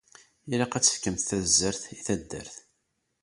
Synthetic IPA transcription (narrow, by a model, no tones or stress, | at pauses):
iɾaqæt͡sːə̥fkəmθθæzːəɾθiθæd̪ːə̰ɾθ